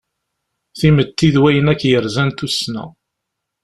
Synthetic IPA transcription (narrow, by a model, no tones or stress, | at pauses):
θimət̪ːiðwæjənækːjəɾzænt̪usnæ̰